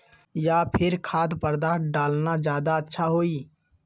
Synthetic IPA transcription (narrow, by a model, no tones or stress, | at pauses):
japʰɪɾkʰaːd̪pəɾd̪aɖaːlnad͡ʒjaːd̪aətːʃʰaɦoːi